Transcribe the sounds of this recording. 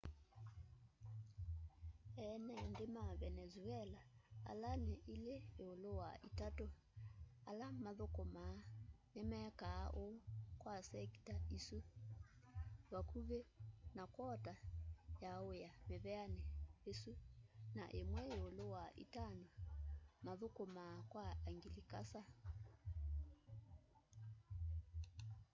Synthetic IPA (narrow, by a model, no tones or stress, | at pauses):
ɛnɛndemaβɛnɛzuɛlaa̰laneʔileeolowaitato | alamaðokomanemɛːkaʔokwasɛki̥taisu | βakuβenakwɔtajaojameβɛanɛesunaʔemwɛeolowaʔḭtanomaðokomaːkwaaŋɡilikasa